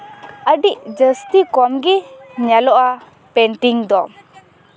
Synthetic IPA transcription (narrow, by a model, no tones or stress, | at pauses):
əɖiʔd͡ʒəst̪ikɔmɡiɲɛlɔʔa | pɛɳʈiŋd̪ɔ